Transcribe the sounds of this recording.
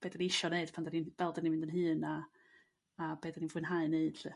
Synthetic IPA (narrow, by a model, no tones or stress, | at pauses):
b̥eːdaniɪʃɔneɨd̥pʰandaninv̥ɛlˠdaninmɪndənɦɨːnaː | b̥eːdaninvwɪnɦaɨneɨd̥ɬɨ